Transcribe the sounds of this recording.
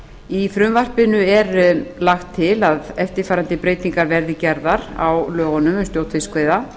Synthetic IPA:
ifɾʏmvar̥pɪnʏɛɾlaxt̪ʰːɪlaðɛft̪ɪɾfaːɾant̪ɪpɾeːjt̪iŋkaɾvɛɾðɪcɛɾðaɾa̰wlœːɣɔnʏmʏnst̪jowt̪ʰfɪskveːjða

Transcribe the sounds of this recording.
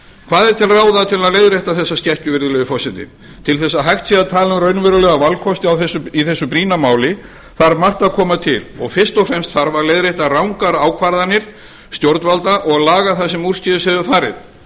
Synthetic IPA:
kʰvaːðɛɾt̪ʰɪlraːwðat̪ʰɪlaðlejðɾejht̪aθɛsːast̪cɛhcʏvɪɾðʏlɛɣʏfɔsɛnt̪ɪ̰ | t̪ʰɪlθɛsːaɦajxt̪siɣat̪ʰaːlɾœɥnvɛɾʏlɛɣavalkʰɔst̪ɪawθɛsːʏiθɛsːʏpɾiːnamaːwlɪ | θaɾmar̥t̪aðkʰɔːmat̪ʰɪ̰lɔɣfɪr̥st̪ɔwfɾɛmst̪θaɾvaɾlejðɾejht̪arawŋkaɾaːwkʰvaɾðanːɪɾ̥ | st̪jowɾt̪nvalt̪aʔɔɣaðlaːɣaθas̬ɛmur̥scɪðʏshɛvʏfaːɾɪ̰ð

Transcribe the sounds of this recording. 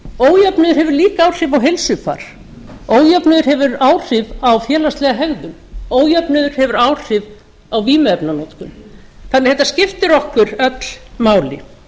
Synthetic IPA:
oːwjapnʏðʏɾhɛvʏɾliːkaaːwr̥ɪvawɦejlsʏfa̰ːɾ̥ | oːwjœpnʏðʏɾ̥hɛvʏɾaːwr̥ɪvawfjɛːlast̪lɛɣaɦɛɣðʏm | oːwjœpnʏðʏɾ̥hɛvʏɾaːwr̥ɪv | awviːmʏɛpnanɔt̪kʏmθanːɪ̥hɛt̪ascɪft̪ɪɾɔhkʏɾœt̪l̥maːwlɪ̰

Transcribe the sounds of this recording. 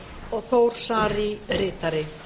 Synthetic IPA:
ɔɣθoːwɾ̥saːɾiɾɪːt̪aɾɪ

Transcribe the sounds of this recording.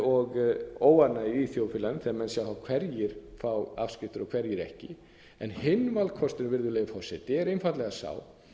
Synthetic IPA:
ɔɣoːwaɾnaiiːθjoːwfɪlanθɛmɛnsjaːwθawkʰv̥ɛɾjɪɾ̥fawafscɪft̪ʏɾɔɣkʰv̥ɛɾjɪɾɛ̰hcɪ | ɛnhɪnvalkʰɔst̪ɪnvɪɾðʏleːjɣʏfɔsɛt̪ɪɛɾejnfawt̪lɛɣasa̰ːw

